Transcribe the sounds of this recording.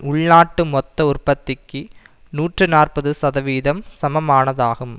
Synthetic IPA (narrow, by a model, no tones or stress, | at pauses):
ʊɭnaːʈːɯmɔt̪ːɐʊrpɐt̪ːɪkːɯ | nuːʈrɯnaːrpɐðɯsɐðɐʋiːðɐmsɐmɐmaːnɐðaːɣɯm